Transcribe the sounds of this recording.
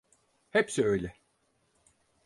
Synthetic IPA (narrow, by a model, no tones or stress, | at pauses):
hɛpsiøjlʲɛ